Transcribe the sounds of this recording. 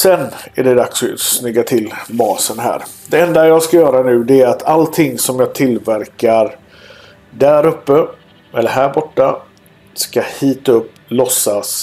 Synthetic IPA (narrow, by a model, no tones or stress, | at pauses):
sɛnæɖɛd̪aksɔsnʏɡːat̪ʰɪlbɑːsənɦæ̰ːɾd̪ɛɛnd̪ajɑːɡskajœːɾanʉ̟ːd̪ɛæɾat̪ʰalt̪ʰɪŋːsɔmjɑːɡt̪ʰɪlvæɾkaɾ | dæɾɵpːə | ʔɛlːəɾɦæːɾbɔʈːa | skahiːt̪ɵpːlɔsːas